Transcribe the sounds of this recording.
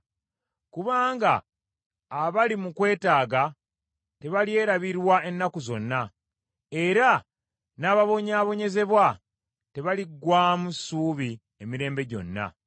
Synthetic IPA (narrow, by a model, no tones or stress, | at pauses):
kuβaːŋɡaː | βalimukwe̞ːtaːɡa | te̞βalje̞ːɾaβiɾwae̞nːakuzo̞̰nːa | e̞ɾa | naːβaβo̞ɲaːβo̞ɲe̞ze̞βwa | te̞βaliɡwamusuːβi | emiɾe̞ːmbe̞ɟo̞̰nːa̰